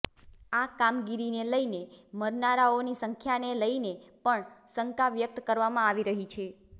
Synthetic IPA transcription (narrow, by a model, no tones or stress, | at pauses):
akamɡiɾineləjneməɾnaɾaonisəŋkʰjaneləinepəɳsəŋkaʋjək̚t̪kəɾʋamãaʋiɾəɦit͡ʃʰe